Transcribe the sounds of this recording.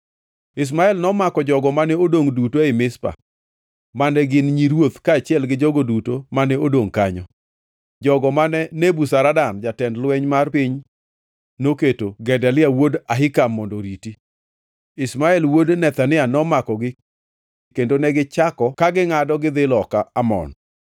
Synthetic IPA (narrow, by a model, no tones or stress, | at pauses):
ɪs̬maɛlnɔmakɔd͡ʒɔɡɔmanɛodoŋdutoɪmɪspa̰ | manɛɡɪnɲiɾwot̪kaːt͡ʃɪɛlɡɪd͡ʒɔɡodutomanɛodoŋkaɲɔ̰ | d͡ʒɔɡɔmanɛnebusaɾadand͡ʒatɛndlwɛɲmarpɪɲ | noketoɡɛdalɪawodaɦɪkamːɔndɔɾiti | ɪsmaɛlwodnɛt̪anɪanɔmakɔɡɪ | kendonɛɡɪt͡ʃakɔkaɡɪŋadɔɡɪd̪ɪlɔkaamɔ̰n